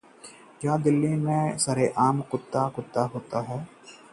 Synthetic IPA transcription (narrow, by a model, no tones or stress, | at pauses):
kjaːd̪ɪlːimẽsɐɾeʔaːmkʊt̪ːakʊt̪ːaɦoːt̪aɦɛː